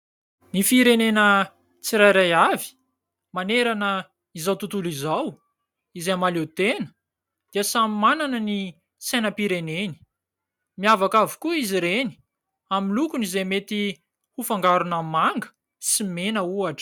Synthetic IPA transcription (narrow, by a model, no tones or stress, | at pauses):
nifiɾenenə | t͡siɾajɾajavi̥ | maneɾanə | izawt̪ut̪ulizaw | izeamalet̪enə̥ | d̪̥iəsamimananəni | senəpiɾeneni̥ | miavakavu̥kuiziɾeni̥ | aminlukunizemet̪i | hufaŋɡaɾunamaŋɡə̥ | simenəuaʈ͡ʂə̥